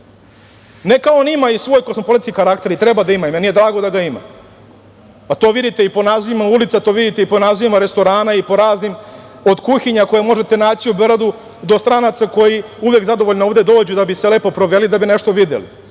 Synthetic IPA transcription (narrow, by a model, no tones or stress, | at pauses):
nekaoonimaisʋoːjkosmo̞po̞lit̪skikaɾakt̪e̞ɾit̪ɾebad̪aimaimenijed̪ɾaːɡo̞d̪aɡaima̰ | pat̪o̞ːʋid̪it̪eipo̞nazimaulit̪sat̪oːʋid̪it̪e̞iponaziimaɾe̞st̪o̞ɾaːnaipo̞ɾaːznimo̞d̪kuxiɲako̞jemo̞ʐet̪e̞naːt͡ɕiubɾad̪u | d̪o̞st̪ɾanat̪sako̞jiuʋjekzad̪oʋoʎnooʋd̪ed̪o̞ːd͡ʑud̪abisele̞po̞pɾo̞ʋelid̪abineʃt̪o̞ʋid̪ḛlḭ